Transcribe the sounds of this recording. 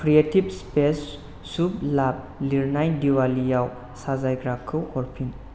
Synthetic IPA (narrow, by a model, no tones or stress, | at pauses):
kʰɾietib̚spesː | uplap̚liɾnajdiwalijaw | sazajɡɾakʰːɯwɔɾpʰin